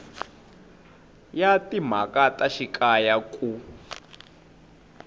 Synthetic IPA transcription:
jatim̤a̰kataʃikʼajakʼu

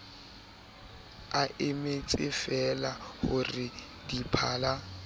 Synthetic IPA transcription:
aʔɪmet͡sʼɪfɛlahʊrɪ | dipʰaːla

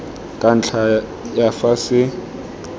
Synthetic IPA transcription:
kʼan̩t͡ɬʰa | jafasɪ

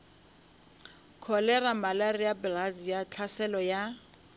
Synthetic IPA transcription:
kʰɔlɛramalarijabɛlazijat͡ɬʰasɛlɔja

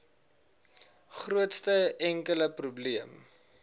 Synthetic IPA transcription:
χruətstəɛŋkələprubliəm

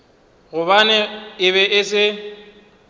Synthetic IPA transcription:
ɣʊbanɛɪβɛʔɪsɪ

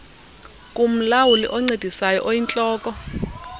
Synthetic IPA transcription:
kʼum̩lawulḭʔɔŋ͡ǀed̥ʱisajɔ̰ʔojint͡ɬʼɔːkʼɔ

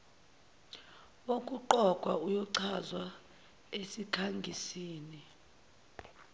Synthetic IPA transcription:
okʼuǃɔɡ̥ʱwa̰ujɔǀʰazwa | esikʰaŋɡʱisiːni

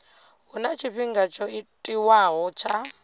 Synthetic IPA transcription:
ɦunat͡ʃʰiɸiŋɡat͡ʃʰɔitʼiwaɦɔt͡ʃʰa

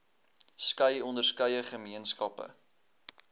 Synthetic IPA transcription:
skəjɔndərskəjəχəmiənskɐpə̰

